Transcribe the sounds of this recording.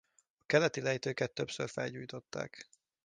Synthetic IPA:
ɒkɛlɛt̪ilɛjt̪øːkɛt̪ːø̞psørfɛ̰lɟuːjt̪o̞t̪ːa̰ːk

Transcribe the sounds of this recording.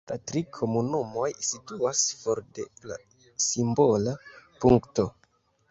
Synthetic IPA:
latɾikʰo̞munumo̞jsituasfo̞ɾde̞̰la̰ | simbo̞lapuŋkto̞

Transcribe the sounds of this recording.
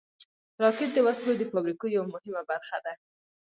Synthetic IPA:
ɾɑkɪt̪̚d̪əwaslod̪əfɑbɾikojawamʊhɪmabaɾxad̪a

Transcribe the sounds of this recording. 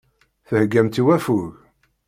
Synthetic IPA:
θəhɡːæmt̪iwæfuɣ

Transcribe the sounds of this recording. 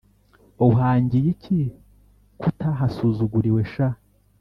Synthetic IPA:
oɦaːɲɟijicʰi | kutaɦasuːzuɡuɾiwe̞ʃa

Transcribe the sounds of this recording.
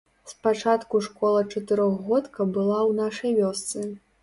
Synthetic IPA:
spat͡ʂat̪kuʂkɔlˠɐt͡ʂɐt̪ɨɾɔɣɣɔt̪kɐbɨlˠawnaʂɐjvʲɔst̪sɨ

